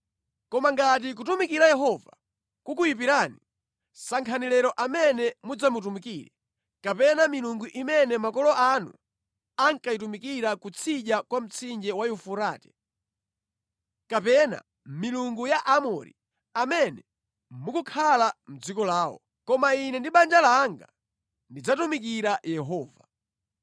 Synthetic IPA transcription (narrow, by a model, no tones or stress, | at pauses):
kɔmaŋɡat̬ik̬ut̬umikiɾajɛɦɔva̰ | kukujip̬iɾani | saŋkʰanɛlɛɾɔʔamɛnɛmud͡zamut̬umikiːɾɛ̰ | kapɛnamiluŋɡuʔimɛnɛmakɔlɔʔanṵ | aŋkaitumikiɾakut͡sʰiʄakwam̩t͡sʰind͡ʒɛwajufuɾaːtɛ̥ | kapɛna̰ | miluŋɡujaʔamɔɾḭ | amɛnɛ | mukukʰalam̩d͡zikɔlaːwɔ̰ | kɔmainɛndiɓand͡ʒalaːŋɡa̰ | ndid͡zatumikiɾajɛɦɔːva